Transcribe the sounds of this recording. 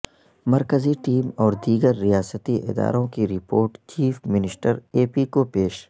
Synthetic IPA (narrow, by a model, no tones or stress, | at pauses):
mɐɾkəziʈiːmɔːɾd̪iːɡəɾːijaːsət̪iʔɪ̰d̪a̰ːɾõkiɾɪpoːɾʈt͡ʃiːfmɪnɪsʈəɾeːpikopeːʃ